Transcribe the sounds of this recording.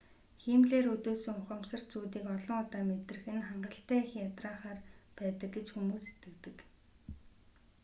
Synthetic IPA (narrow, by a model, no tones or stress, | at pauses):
xiːmɮeːɾɵt̪oːsɵ̆ŋʊχə̆msə̆r̥t͡suːt̪iːkɔɮɞ̆ŋʊt̪aːmet̪rɘ̆xɘ̆nχaɴɢə̆ɬt̪æːixiŋat̪raːχaːrpæːt̪ə̆k̚ɡet͡ɕxumuːset̪ɡɘ̆kt̪ɘ̆k